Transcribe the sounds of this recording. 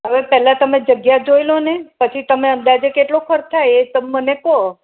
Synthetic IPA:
ɦəʋepɛɦlãt̪əmed͡ʒəɡjad͡ʒojlonepət͡ʃʰit̪əmeənd̪ad͡ʒekeʈlokʰəɾt̪ʰːajet̪əmːəneko

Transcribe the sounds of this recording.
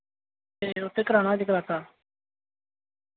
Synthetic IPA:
eot̪ːeːkɾaːɽ̃ad̪ɪkɾaːt̪aː

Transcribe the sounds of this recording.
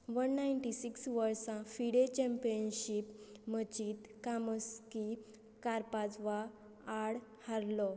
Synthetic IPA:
ʋənːajɳʈisiksʋəɾsãfiɽet͡ɕɛ̃mpijənɕipmət͡ɕiːt̪kaməski | kaɾpat͡sʋaː | ɽhaɾlɔ

